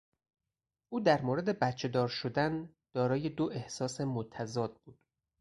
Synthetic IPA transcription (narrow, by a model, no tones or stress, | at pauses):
ʔuːd̪æɾmoɾe̞d̪e̞bæt̪t͡ʃʰe̞d̪ɒːɾʃod̪æn | d̪̥ɒːɾɒːje̞d̪oʔe̞hsɒːsemot̪ʰæzɒːd̪̥̚b̥uːd̪̥